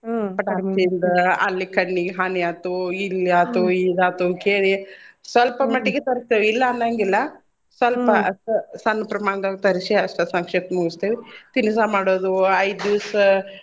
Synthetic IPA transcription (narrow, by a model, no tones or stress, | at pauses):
pɐʈaːiind̪ɐɐlːikɐɳːiɦaːnijat̪uilːijaːt̪uiːd̪aːt̪ukeːlisʋɐlpɐmɐʈːiɡet̪ɐɾist̪eːʋiːlːɐːnd̪aŋɡilːɐ | sʋɐlpɐsɐnːɐpɾɐmaːɳd̪ɐɡt̪ɐɾisiɐʂʈɐsɐŋkʂet̪ɐmuɡust̪eːʋit̪inis̬aːmaːɽoːd̪uɐjd̪uːs